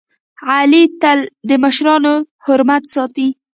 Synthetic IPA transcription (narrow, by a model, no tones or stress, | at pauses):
ʕalit̪ald̪əməʃɾɑno | hʊɾmat̪sɑt̪i